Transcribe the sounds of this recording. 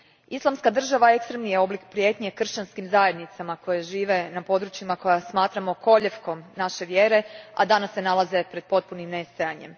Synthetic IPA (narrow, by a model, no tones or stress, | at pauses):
islˠamskad̪r̩ʒaʋaekst̪ɾemnijeo̞blikpɾjeːt̪ɲekr̩ʃt͡ɕanskimzaje̞d̪nit̪samako̞jeʒiːʋe̞napo̞d̪ɾut͡ɕimako̞jasmaːt̪ɾamo̞ko̞ʎefko̞mnaʃe̞ʋje̞ːɾe̞a̰d̪anasːe̞nalaze̞pɾe̞d̪̥̚po̞t̪̚punimne̞st̪ojaɲe̞̰m